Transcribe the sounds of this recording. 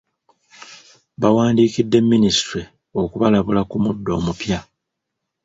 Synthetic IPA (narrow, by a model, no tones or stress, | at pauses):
βawaːndiːkidːe̞mːinisi̥tɾi | o̞kuβalaβulakumudːo̞̰ːmupja